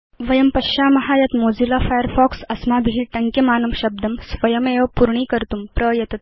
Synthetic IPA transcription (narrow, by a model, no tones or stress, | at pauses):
ʋɐjɐmpɐɕaːmɐɦaːjɐt̪moːd͡zilafajəɾfɔːksɐsmaːbʱiɦiʈɐŋkjemaːnɐmɕɐb̚d̪ʱɐmsʋɐjɐmeːʋɐpuɾɳiːkɐɾt̪umpɾɐjɐt̪ɐt̪̚